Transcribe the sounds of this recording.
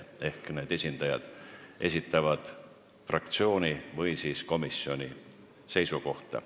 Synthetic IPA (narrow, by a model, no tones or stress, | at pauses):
e̞hkne̞ːd̪̥e̞sʲind̪̥ɑjɑ̰d̪̥ʔe̞sʲit̪ːˑɑvɑd̪̥ | frɑk̚t̪sio̞ːnivɯjsiːsko̞misio̞nʲi | se̞jsuko̞ht̪ɑ̰